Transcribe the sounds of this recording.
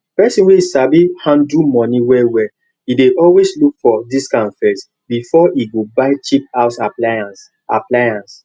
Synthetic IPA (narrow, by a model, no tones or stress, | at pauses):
pɛsĩnweisabihãndumɔ̃niwɛwɛ | ideʔɔlweslukfɔdiskãnfɛs | bifɔiɡobaɪt͡ʃipaʊsaaa | aplajãns